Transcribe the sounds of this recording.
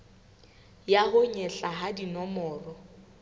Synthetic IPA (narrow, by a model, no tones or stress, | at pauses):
jaɦʊɲɛɬaɦadinɔmɔːrɔ